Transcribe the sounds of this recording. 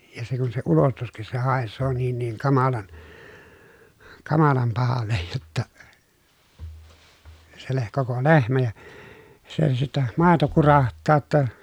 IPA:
jɑ se kun se ulostuskis se hɑˑesːoː niːn niːŋ kɑmɑlɑn kɑmɑlɑm pɑhɑlːej jotːɑ se leh koko lehmæ jɑ se sitːɛ mɑˑeto kurɑhtˑɑː tːɑ

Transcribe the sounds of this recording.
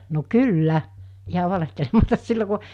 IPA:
no kylːæ ihɑ ʋɑlehtelemɑtɑs silːo ku

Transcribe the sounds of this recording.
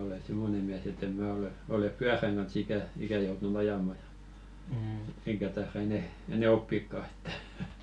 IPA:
ole simːone miæs etː em mæː ole olep pyæræŋ ɡ̊ɑn̞s ikæ ikæ joutun ɑjɑmɑ j̊ɑ̥ eŋkæ tɑerɑ enɛ enɛ opːikːɑ e̥tːæ̥

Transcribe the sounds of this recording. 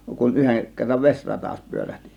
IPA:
kun yheŋ kerːɑʋ ʋesʲrɑtɑs pyøræhti̥

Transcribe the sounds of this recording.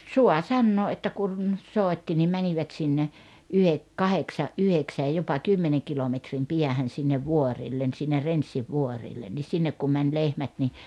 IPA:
suɑ sɑnːoː ʔetːæ kun soˑetːi nim mæniʋæt sinːe yhek kɑheksɑʔ ʔyheksæj jopɑ kymːeneŋ kilometrim piæhæn̞ sinːeʋ ʋuoriˑlːen sinːe rensːiʋːuorilːen ni sinːek kum mænʲ lehmæt ni

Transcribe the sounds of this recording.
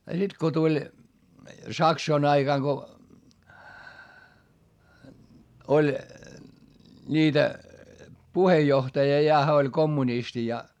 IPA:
jɑ sit ko tulʲ sɑksoin ɑiɡ̊ɑŋ ɡ̊o olʲ nʲiːtæ puhejːohtɑjɑ jɑ hæ olʲ komːunisti jɑ

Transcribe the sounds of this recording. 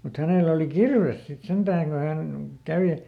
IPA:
mut hæneˑlæ oli kirʋes sit sentæːŋ ko hæn kæʋe

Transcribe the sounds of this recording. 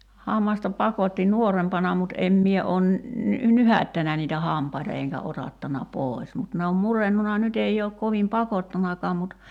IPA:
hɑmːɑstɑ pɑkotːi nuorempɑnɑ mut ʔem mie oːn ny nyhæø̆tːænæ niːtæ hɑˑmpɑitɑ eŋkæ otɑtːɑnɑ poˑi̞s mut ne om murenːunɑ nyt ei oːk koʋim pɑkotːɑnɑkɑːm mut

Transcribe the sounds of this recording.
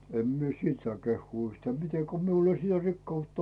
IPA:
em mie siːt sɑː kehːuː yhtæː mite ko miul ei sitæ rikːɑutːɑ

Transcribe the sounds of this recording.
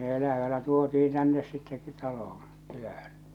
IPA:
ne elæʋænæ tuotiĩː tænːes sitːe tɑlohõː kylæhæn

